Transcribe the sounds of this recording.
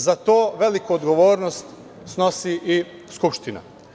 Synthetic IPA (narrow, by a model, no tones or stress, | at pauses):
zat̪oːʋe̞likuod̪ɡo̞ʋoːɾnost̪ | sno̞siʔiskupʃt̪ina̰